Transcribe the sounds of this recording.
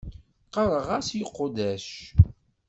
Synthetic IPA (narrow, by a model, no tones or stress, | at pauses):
qɑɾˤəʁasjəqːd̪æʃ